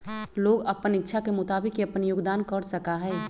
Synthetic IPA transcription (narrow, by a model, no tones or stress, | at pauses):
loːɡəpənɪtːʃʰakemʊt̪aːbɪkeɐpənjʊɡd̪aːnkəɾsəkaɦɛː